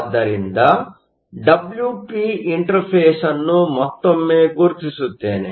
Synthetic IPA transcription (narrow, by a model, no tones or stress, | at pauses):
d̪ɐɾind̪ɐ | ɖɐbljuːpiːiɳʈɐɾpʰeːsɐnːumɔt̪ːɐmeːɡuɾt̪isut̪ːeːni